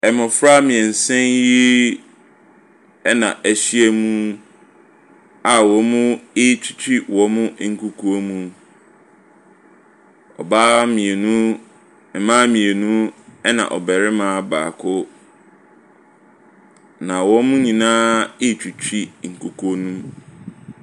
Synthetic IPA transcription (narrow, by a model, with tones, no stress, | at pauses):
ɛ˨mɔ̃˨fɾa˦mĩ˨ɛ˨n̩˨sɛ̃˦nji˦ | ɛ˦nã˨ʔæ˨ɕi˦e˦mũ˦ | a˨wɔ˨mʊ̃˦ɪ˦˨t͡ɕʰᶣi̥˨t͡ɕʰᶣi˦wɔ˨mʊ̃˦ŋ̩˨kʰu˨kʰo˦o˦mũ˨ | ɔ̰˨baː˦mĩ˨e˨nũ˦ | ɛ˨mãː˦mĩ˨e˨nũ˦ɛ˦nã̰˨ʔɔ̰˨bɛ˨ɾɪ˦mãː˦ba̰ː˨kʰʊ˦ | nã˨wɔ˦mʊ̃˦ɲĩ˨nãː˦ɪ˦˨t͡ɕʰᶣi˨t͡ɕʰᶣɾi˦ŋ̩˨kʰu˨kʰo˦nũ˦m